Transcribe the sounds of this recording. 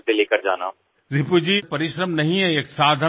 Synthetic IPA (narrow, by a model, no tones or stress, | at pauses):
ʈeleːkəɾd͡ʒa̰ːna̰ː | ɾɪpud͡ʑipɐɾɪʃɾəmnɐɦĩɛ̃eksaːd̪ʱə